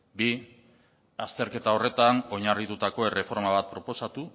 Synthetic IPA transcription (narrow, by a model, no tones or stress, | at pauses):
bi | ast̪e̞ɾke̞t̪ao̞re̞t̪ano̞ɲarit̪ut̪ako̞e̞re̞fo̞ɾmaβ̞at̪̚pɾo̞po̞sat̪u